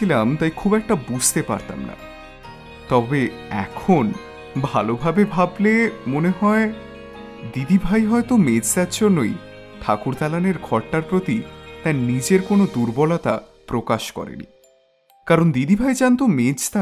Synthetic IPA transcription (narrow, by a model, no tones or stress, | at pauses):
ilamt̪ajkʰubɛk̚ʈabud͡ʑʱt̪epa̰ɾt̪a̰mna̰ | t̪ɔbe | ɛ̰kʰon | bʱalobʱabebʱablemoneɦɔe | d̪id̪ibʱajɦɔet̪omed͡ʑt̪atd͡ʑʰonːoj | ʈ̪ʰakuɾt̪alaneɾɡʱɔɾʈaɾpɾot̪it̪ajnid͡ʑeɾkonod̪uɾbɔlat̪a̰ | pɾokaʃkɔ̰ɾḛnḭ | kaɾond̪id̪ibʱajd͡ʑant̪omed͡ʑt̪a